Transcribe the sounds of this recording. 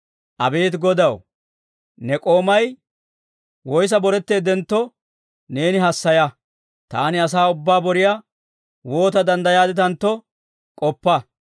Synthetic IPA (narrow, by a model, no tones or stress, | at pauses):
ʔɐbe̞ːt̪ɡɔd̪ɐw | nɛkʼo̞ːmɐj | wɔjs̬ɐbɔɾɛt̪ːe̞ːd̪ɛnt̪ːɔ | ne̞ːnɪɦɐsːɐjɐ | t̪a̰ːnɪɐs̬aːʊbːaːbɔɾɪja | wo̞ːt̪ɐd̪ɐnd̪ɐjaːd̪ɪt̪ɐnt̪ːɔ | kʼɔpːɐ